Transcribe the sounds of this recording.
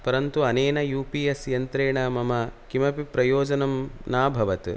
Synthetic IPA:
pɐɾɐnt̪uɐneːnɐjuːpiːɐsjɐnt̪ɾeːɳɐmɐmɐkimɐpipɾɐjoːd͡ʒɐnɐmnaːbʱɐʋɐt̪

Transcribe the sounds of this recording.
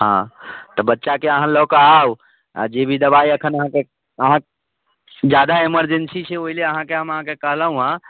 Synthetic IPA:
ɦã̰t̪ɔbətːʃakeəɦãlɔkaau | a̰d͡ʒebʱid̪əbaiəkʰənəɦãke | əɦã | d͡ʒjad̪aeməɾd͡ʒensit͡ʃʰɛoileəɦãkeɦəməɦãkekəɦləɦũɦã

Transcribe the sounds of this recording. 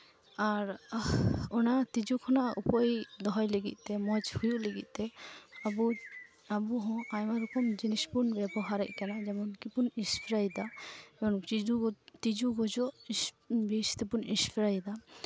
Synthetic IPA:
aɾ | ɔnat̪id͡ʒukʰɔnaʔupɔid̪ɔɦɔjləɡḭt̪̚ˀt̪ɛmɔt͡ʃhujuʔləɡit̪̚ˀt̪ɛabu | abuɦɔ̃ʔajmaɾukɔmd͡ʒinispunbɛbɔɦaɾɛ̰ʔ̚kanad͡ʒɛmɔnkipunispʰiɾajd̪aɛmɔnd͡ʒut̪id͡ʒuɡɔd͡ʒɔʔ | bist̪ɛpunispʰiɾajd̪a

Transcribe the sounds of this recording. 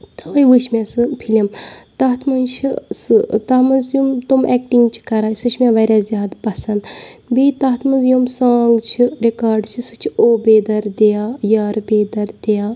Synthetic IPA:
t̪ʰɐɐjʋɨʃmʲẽsɨpʰilʲimt̪ɐɦt̪ʰmɐnt͡ʃʰḭsɨt̪ɐmɐnzjumt̪umʔɛːkʈiŋɡt͡ʃʰi̥kɐɾaːsɨt͡ʃʰmʲãʋɐɾʲjaːzjaːd̪pɐsɐnd̪biːt̪ɐːt̪ʰmɐnzjumsaːŋɡt͡ʃʰiɾekaːɾɖt͡ʃʰisɨt͡ʃʰioːbeːd̪ɐɾd̪ejaːjaːɾbeːd̪ɐɾd̪ejaː

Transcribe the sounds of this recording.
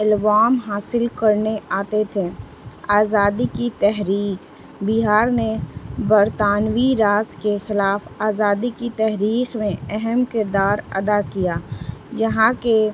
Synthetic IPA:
ɪlʋaːmɦaːsɪlkɐɾneʔaːt̪et̪ʰe | aːzaːd̪ikit̪ɛɦɾiːk | biɦaːɾnebɐɾt̪aːnwiɾaːzkexɪlaːfaːzaːd̪ikit̪ɛɦɾiːqmẽɛɦɛmkɪɾd̪aːɾɐ̰d̪akijaːjɐɦãke

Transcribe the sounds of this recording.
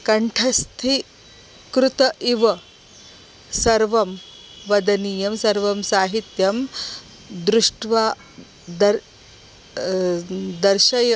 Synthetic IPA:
kɐɳʈʰɐst̪ʰi | kɾut̪ɐʔiʋɐ | sɐɾʋɐm | ʋɐd̪ɐniːjɐmsɐɾʋɐmsaːɦit̪jɐm | d̪ɾuʂʈʋaː | d̪ɐɾ | d̪ɐɾʃɐjɐ

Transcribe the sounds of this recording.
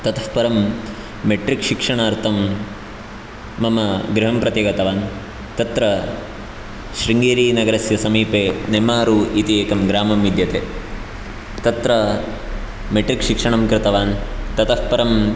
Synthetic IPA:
t̪ɐt̪ɐhpɐɾɐmː | eʈɾikʃikʂɐɳaːɾt̪ʰɐm | ɐmɐɡɾɪɦɐmpɾɐt̪jɐɡɐt̪ɐʋaːn | t̪ɐt̪ɾɐ | ʃɾiŋɡeːɾiːnɐɡɐɾɐsjɐsɐmiːpeːnemaːɾuːit̪ieːkɐmɡɾaːmɐmʋid̪ʱjɐt̪eː | t̪ɐt̪ɾɐ | meʈɾikʃikʂɐɳɐmkɾɪt̪ɐʋaːnt̪ɐt̪ɐhpɐɾɐm

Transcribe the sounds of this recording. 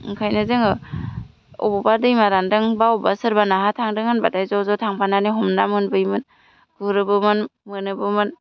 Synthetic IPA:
ŋkʰajnɯzɯŋɯ | ɔ̰bɔbadɯjmaɾandɯŋbaɔbasɯɾbanaɦatʰaŋdɯŋanbadajzawzatʰaŋpʰananiɦɔmnamɯnbɯjmɯn | ɡ̥uɾɯbɯmɯnmɯnɯbɯmɯn

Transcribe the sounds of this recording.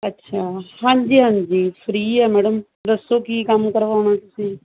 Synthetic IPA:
ətːʃʰaːhãːɲd͡ʒiːɦãːɲd͡ʒiːpʰɾiːɛːmɛːɽəm | d̪əsːoːkiːkəmkəɾʋaːoɽ̃ãːt̪ʊsĩː

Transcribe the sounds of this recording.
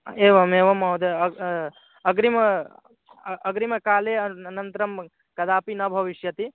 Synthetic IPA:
eːʋɐmeːʋɐmɐwd̪eɐ | ɐɡɾimɐ | ɐɡɾimɐkaːleːɐnɐnt̪ɾɐm | kɐd̪aːpinɐbʱɐʋiʃjɐt̪i

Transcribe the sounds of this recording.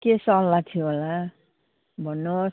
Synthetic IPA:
kesʌlːat̪ʰioɦola | bʱʌnːʌ

